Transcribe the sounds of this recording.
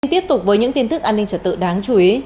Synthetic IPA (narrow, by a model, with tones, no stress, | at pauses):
nt̪i˦˥əp̚t̪ʊ˨˩k͡p̚vəː˨˦jɲɨ̰˧˥ŋt̪i˧ənt̪ɨ˦˥k̚ʔaː˧nːï˧ŋ̟t͡ɕəː˧˩t̪ɨ̰˧˨ɗaː˨˦ŋt͡ɕu˨˧˦i˨˦